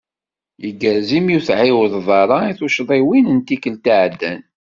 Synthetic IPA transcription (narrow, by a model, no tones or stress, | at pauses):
iɡæɾzimjuθʕɪwəðˤðˤɑɾˤɑiθuʃðˤiwinənt̪ikəlt̪iʕd̪ːæn